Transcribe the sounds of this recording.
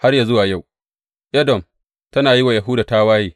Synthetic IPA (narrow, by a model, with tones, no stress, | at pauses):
ha˦rja˨zʊ˦waː˨ja˦˨w | ʔɛ˦dɔ˨m | tɐ˦naː˨ji˦wa˨ja˨ɦʊː˦daː˨ta˦waː˦jiː˦